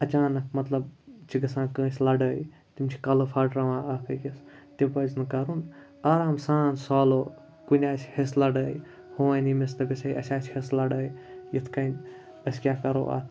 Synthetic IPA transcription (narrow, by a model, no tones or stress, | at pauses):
ɐt͡ʃaːnɐk̚mɐt̪lɐbt͡ʃʰiɡɐsãːnkə̃ːsʲlɐɖəj | t̪imt͡ʃʰi̥kɐlopʰɐʈɾɐʋãːʔɐkɐkes | t̪ebɐznɨkɐɾun | aːɾaːmsaːnsaːlo | kunʲaːt͡ʃʰheslɐɖəj | hoːanimest̪ɐbesʰɐjʔɐsʲaːt͡ʃʰheslɐɖəːjjit̪ʰkɐjn | ɐskʲaːkɐɾo̰ʔa̰t̪ʰ